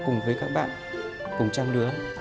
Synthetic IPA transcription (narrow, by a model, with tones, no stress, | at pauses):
kʊ˨˩ŋ͡mvəː˨˦jkaː˦˥k̚ɓa̰ː˧˨n | kʊ˨˩ŋ͡mt͡ɕa˧mɗɨ˨˦ə